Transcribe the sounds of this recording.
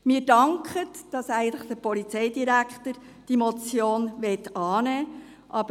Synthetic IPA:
miːɾdɑŋkχətd̥ɑsæɪɡən̩tləχd̥̪əpɔlit͡sɛɪdiɾækχtəɾ | d̥imɔt͡sjoːnʋɛtɑːnɛː | ʔɑb

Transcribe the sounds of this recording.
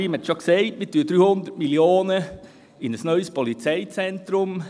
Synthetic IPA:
iːmhɛt̪ʃoksɛɪtmɪtːyːəd̥̪ɾyːhʊnd̪ətmiljoːnə | ɪnəsnœʏspɔlit͡sɛɪt͡sɛnt̪ɾʊm

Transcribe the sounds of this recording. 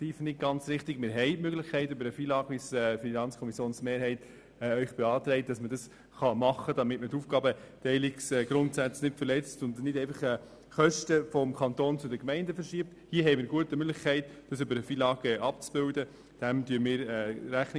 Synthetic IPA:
tiːfnɪt̚ɡɑnt͡sɾɪχtɪɡmɪɾɦɛɪtmøɡlɪχkʰɛɪtʏbəɾəfiːlɑːɡəʋisɛfinɑnt͡skʰɔmisjoːnsmeːɾɦhɛɪtː | œʏχb̥ɛɑːtɾɛɪt̚d̥ɑsmədɑs | χɑmɑχədɑmɪtmətuːfɡ̥ɑːbətɛɪlɪksɛɡ̥ɾʊntsæt͡snɪtfəɾlɛt͡stʊndnɪdɛɪfɑχɛ | χœʃtəfɔmkʰɑntoːnt͡sʊdəkmɛɪndəfəɾʃiəpthiəɦɛɪmɪːɾɡuətəmøɡlɪχkʰɛɪtd̥ɑsʏbəɾəfiːlɑːɡ̥əʔɑp̚t͡sb̥ɪldə | d̥æmtyənmɪːɾɛːɾæχnɪ

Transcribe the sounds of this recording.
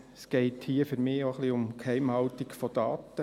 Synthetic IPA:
sɡ̥ɛɪthiəfyɾmɪːoχliʊmkhɛɪmhɑltikfɔd̥̪ɑːt̪ə

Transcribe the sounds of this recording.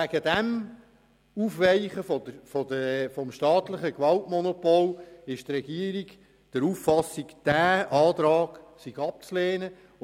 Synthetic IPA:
æɡ̥ədæm | uːfʋɛɪχəfɔəfɔdəfɔmʃtɑːt̪ləχəkʋɑltmɔnɔpɔlɪʃt̪rɛɡiəɾiɡ | d̥əɾuffɑsikd̥æːʔɑːt̪ɾɑːɡ̥siɡɑp̚t͡sleːnə

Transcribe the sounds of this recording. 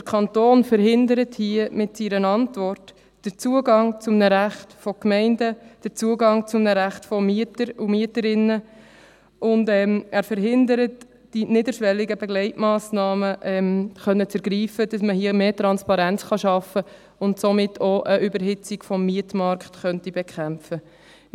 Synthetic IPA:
d̥əɾkʰɑntoːnfəɾɦɪndəɾəthiəmɪtsiːɾənɑntʋɔɾt | d̥əɾt͡suəɡɑŋt͡sʊmnəɾæχtfɔkmɛɪndəd̥ət͡suəɡɑŋt͡sʊmnəɾæχtfɔmiətəɾumiətəɾɪnːə | ʔʊndɛːmæːɾfəɾɦɪndəɾət | d̥inɪdəɾʃʋɛlːiɡəbɛɡlɛɪtmɑːsnɑːməʔɛmχœnːət͡səɾɡɾiːfəd̥ɑsməɦiəmeːtɾɑnspɑɾænt͡sχɑʃɑfə | ʊntsɔmɪtʰoʔəʔybəɾɦɪt͡sikfɔmːiətmɑɾkχtχœntibɛkʰχæmfə

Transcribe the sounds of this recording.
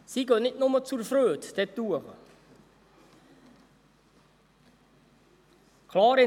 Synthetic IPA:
siɡøːnɪtnʊmət͡suɾfɾøːt̪d̪̥ɛtːuəʁ | kʰlɑːɾɪ

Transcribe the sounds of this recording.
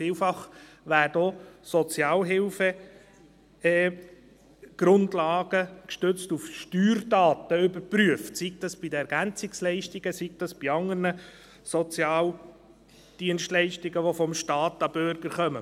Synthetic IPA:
fiːlfɑχ | ʋæːɾdosɔt͡sjɑːlɦɪlfə | ɛ | ɡ̥ɾʊndlɑːɡəkʃtøt͡stufʃtyːɾdɑːt̪əʏbəɾpryəftsik̚t̪ɑsb̥idəɛɾɡ̥ænt͡sɪkslɛɪʃtiɡ̥əsik̚t̪ɑsb̥iɑŋəɾnə | sɔt͡sjɑːl | d̥iənstlɛɪʃtiɡəʋofɔmʃtɑːt̪ːɑbøɾɡ̥əɾχœmə

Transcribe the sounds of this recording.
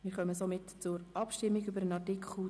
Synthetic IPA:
mɪːɾχœməsomɪtt͡sʊɾɑpʃtɪmːiɡybəɾənɑtɪkχu

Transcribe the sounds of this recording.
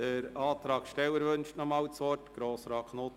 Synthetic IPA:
əɾɑːt̪ɾɑːɡ̥ʃtɛwəɾʋɵnʃtnɔmɑwt͡sʋɔrtɡ̥ɾoːsɾɑːkʰno

